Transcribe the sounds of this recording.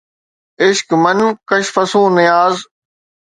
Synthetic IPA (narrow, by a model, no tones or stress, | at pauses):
ɪʃkmɐnkɐʃfɐsũːnɪjaːz